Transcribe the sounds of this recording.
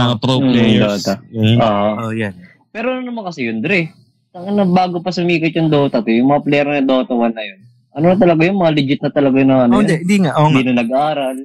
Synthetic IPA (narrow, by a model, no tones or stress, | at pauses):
pɾod̪oːt̪ɐoːhojan | pɛːɾoʔnnɐmɐnkɐsɛjʊnd̪ɾɛ | t̪ɐŋɐnobaːɡopɐsʊmiːkʊt̪̚jʊŋd̪oːt̪ɐt̪ojʊŋmɐŋɐplɛɐɾnɐɐd̪o̞ːt̪ɐwɐnːɐjon | ʔɐnonɐt̪̬ɐlɐɡajʊŋmɐŋalɪd͡ʒɪt̪̚nɐt̪ɐlɐɡajnɐŋɐnndɛnd̪iŋaʔnd̪inɐnɐɡɐaːɾɐl